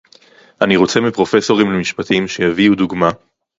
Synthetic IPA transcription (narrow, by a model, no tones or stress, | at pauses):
ʔaniʁo̞t͡se̞mipʁo̞fe̞so̞ʁimlemiʃpat̪imʃe̞javiud̪uɡma